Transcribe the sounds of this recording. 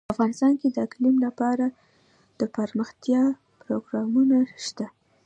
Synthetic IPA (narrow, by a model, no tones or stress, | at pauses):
afɣɑnɪst̪ɑnked̪əɪklimlapɑɾa | d̪̥əpəɾməxt̪jɑ | pɾoɡɾɑmunaʃt̪a